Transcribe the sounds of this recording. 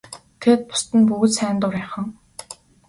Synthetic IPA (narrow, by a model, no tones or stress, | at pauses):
t̪ʰeːt̪̚pʊ̥st̪ɘ̆npuɣɘ̆t̪sæːnt̪ʊɾæχə̆ŋ